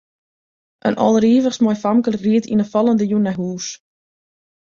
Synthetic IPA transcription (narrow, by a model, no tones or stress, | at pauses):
ʔə̰nʔɔ̰lˠriːvəχsmɔjfamkəlriətinəfɔlˠəndəjunɛɦuːs